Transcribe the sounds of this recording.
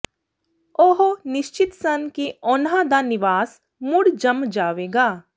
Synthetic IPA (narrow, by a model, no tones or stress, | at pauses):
oɦonɪʃt͡ʃɪt̪sɐnkiɔːnɦad̪anɪʋaːs | mʊɽd͡ʒɐmd͡ʒaːʋeːɡaː